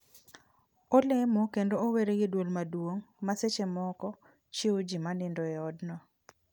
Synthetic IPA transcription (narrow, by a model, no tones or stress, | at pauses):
olemokendooweɾeɡedwolmadwoŋmaset͡ʃemɔkɔ | t͡ʃiod͡ʒimanɪndoɛɔdnɔ